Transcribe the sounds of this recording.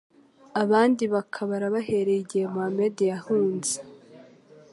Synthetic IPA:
aβaːndiβakʰaβaɾaβaɦe̞ɾeiɟihe̞muhamedejahuːnze̥

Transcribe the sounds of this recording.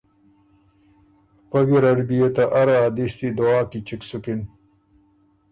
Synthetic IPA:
pɐɡiɾɐɾbijet̪ɐʔɐɾaːd̪ist̪id̪owaːkit͡ɕiksukin

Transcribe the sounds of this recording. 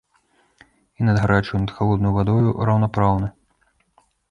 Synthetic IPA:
inɐd̪ɣaɾat͡ʂunɐd̪xalˠɔd̪nʊjuɣad̪ɔjuɾɐwnapɾawnɨ

